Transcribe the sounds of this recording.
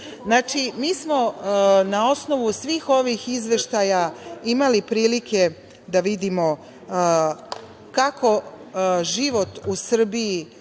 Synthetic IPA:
znaːt͡ʃimiːsmonao̞sno̞ʋusʋiːxo̞ʋixizʋe̞ʃt̪ajaimalipɾiːlikʰe̞ | d̪aʋid̪imo | kakʰo̞ | ʒiʋo̞t̪usr̩bii

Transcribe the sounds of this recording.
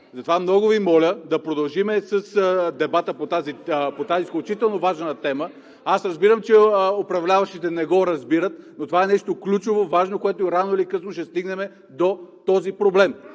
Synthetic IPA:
zɐt̪ovamnɔɡʊvimɔlʲəd̪ɐpɾod̪ɐlˠʒimɛsəsd̪ɛbat̪əpot̪azipot̪azisklʲut͡ʃit̪ɛlˠnovaʒnət̪ɛmə | asɾɐzbiɾəmt͡ʃɛopɾɐvlʲavɐʃt̪it̪ɛnɛɡɔɾɐzbiɾət̪̚not̪ovaɛnɛʃt̪oklʲut͡ʃovovaʒnokoɛt̪oɾanoilikɤsnoʃɛst̪iɡnɛmɛ | d̪ot̪ɔzipɾoblɛm

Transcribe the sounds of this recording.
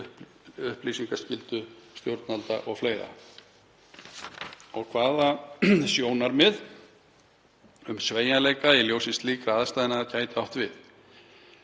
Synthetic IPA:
ʏhplisiŋkascɪlt̪ʏst̪jowɾt̪nalt̪a̰ʔɔɣfleːjɾa̰ | ɔɣkʰvaːðasjoːwnaɾmɪð | ʏmsveːjaleːjkailjowsɪnst̪liːkɾaːðast̪ajðɪnaacaːjt̪ɪawht̪vɪð

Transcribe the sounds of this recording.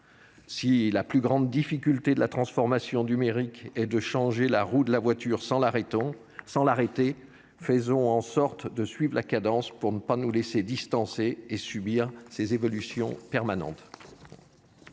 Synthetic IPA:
silaplyɡʁɑ̃d̪ːifikʲylt̪ed̪əlat̪χɑ̃sfɔʁmasjɔ̃nymeʁikɛd̪əʃɑ̃ʒelaʁud̪əlavwat̪yʁsɑ̃laʁet̪ | sɑ̃laʁet̪e | fəzɔ̃ɑ̃sɔʁt̪d̪əsɥivlakad̪ɑ̃spuʁnəpanulesed̪ist̪ɑ̃seːsybiʁsezevɔlysjɔ̃pɛʁmanɑ̰̃t̪

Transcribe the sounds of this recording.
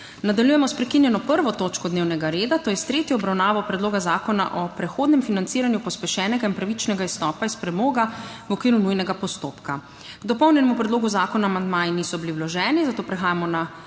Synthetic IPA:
nad̪aljujɛmɔspɾɛkinjɛnɔpəɾʋɔt̪oːt͡ʃkɔd̪neːwnɛɡaɾeːd̪at̪oːjɛst̪ɾeːt̪jɔːbɾawnaːʋɔpɾɛd̪loːɡazaːkɔna̰ʔɔpɾɛxoːd̪nɛmfinant̪siːɾanjupɔspɛʃɛːnɛɡainpɾaʋit͡ʃnɛɡaist̪ɔːpaispɾɛmoːɡa | wɔkʋiːɾunujnɛɡapɔst̪oːpka | ɡ̥d̪ɔpɔwnʲjɛnɛmupɾɛd̪loːɡuzaːkɔnaːmand̪maːjinisɔbiliwlɔʒɛːnizat̪oːpɾɛxaːjamɔna

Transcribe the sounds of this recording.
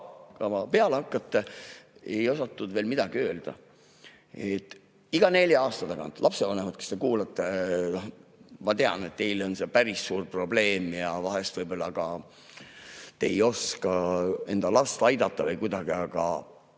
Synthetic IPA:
kɑmɑpe̞ɑlehɑkːˑɑt̪ˑːee̞jo̞sɑt̪ːud̪veːlmid̪̥ɑɡiø̞ːld̪̥ɑ̰ | et̪ːˑ | iɡ̥ɑne̞lʲjɑɑːst̪ɑt̪ɑkɑ̰nt̪lʔɑpse̞vɑnemud̪̥̚ke̥st̪e̞kuːlɑt̪ːenohmɑt̪e̞ɑ̰ne̞t̪t̪ːe̞jlo̞nse̞pæɾisːuːrpro̞ble̞ːmjɑvɑɦe̞st̪vɤjbo̞lːɑɡ̥ɑ | t̪e̞jo̞skɑe̞nd̪̥ɑlɑst̪ɑjd̪̥ɑt̪ˑːɑvɤjkud̪ɑɡ̥iɑɡ̥ɑ̰

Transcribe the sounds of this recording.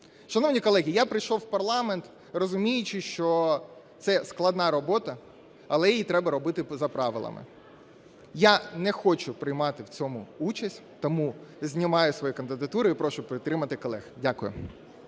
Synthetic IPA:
ʃɐnɔʋnʲikɔlˠɛɦʲijapɾɪjʃɔwwpɐrlˠɑment̪ | rɔzʊmʲijʊt͡ʃɪʃt͡ʃɔt̪sɛsklˠɐd̪nɑɾɔbɔt̪ɐ | ɐlˠɛjijit̪ɾɛbɐɾɔbɪt̪ɪzɐpɾɑʋɪ̰lˠɐ̰mɪ̰ | janɛxɔt͡ʃʊpɾɪjmɑt̪ɪwt͡sʲɔmʊut͡ʃɐsʲtʲ | t̪ɔmuzʲnʲɪmɑjʊsʋɔjikɐnd̪ɪd̪ɐt̪uɾɪipɾɔʃʊpʋʲɪt̪ːɾɪmɐt̪ɪkɔlˠɛxdʲakʊjʊ̰

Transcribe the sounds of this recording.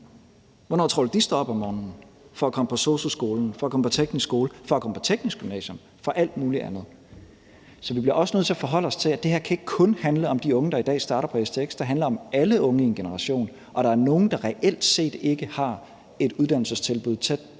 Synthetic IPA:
ʋɒnɒ̰ːt͡sʰʁoːlɐd̥isd̥ɒɒb̥ɒmːɒːnn̩ | fɒ̽ækʰɒ̽məpʰɒ̽so̝̰ːsosɡ̥o̝ːln̩fɒ̽ækɒ̽məpʰɒ̽t͡sʰeɡ̥nisɡ̥o̝ːləfɒ̽ækʰɒ̽məpʰɒ̥̽t͡sʰeɡ̥nisɡ̥ymnɛ̰ːɕjɔ̽m | fɒ̽ʔæl̰d̥muːliʔænð̩ˠ | sɒ̽ʋib̥liɐʔɒ̽sənøð̰ˠt͡sʰe̝æfɒ̽ɦɒ̽l̰ɒ̽st͡sʰe̝læd̥e̝heɐ̰kʰæe̝ɡ̥ə̥kʰɔ̽nhænləɒ̽md̥iɔ̽ŋəd̥ɑ̈id̥ɛ̰ːsd̥ɑ̈ːɾɐpʰɒ̽esd̥ʰeeɡ̥sd̥ɑ̈ɦænlɐɒ̽mæləʔɔ̽ŋəienɡ̥e̝nəʁɑ̈ɕo̝̰ːn | ʔɒ̽ɾ̥ɑ̈æɐno̝ːn̩d̥ɑ̈ʁɛʔel̰d̥se̝̰ːd̥e̝ɡ̥əhɑ̈ | e̝d̥uð̞ˠd̥æn̰l̩səst͡sʰe̝lb̥uð̞̰ˠt͡sʰed̥̚

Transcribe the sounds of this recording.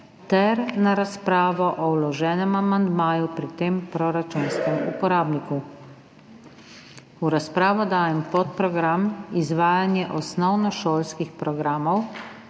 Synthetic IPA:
t̪ɛɾnaɾaspɾaːʋɔʔɔwlɔʒɛːnɛmamand̪maːjupɾit̪eːmpɾɔɾat͡ʃunskɛmṵpɔɾaːbniku | uɾaspɾaːʋɔd̪aːjɛmpɔt̪̚pɾɔɡɾamizʋaːjanjɛʔɔsnɔwnɔʃoːlskixpɾɔɡɾaːmɔw

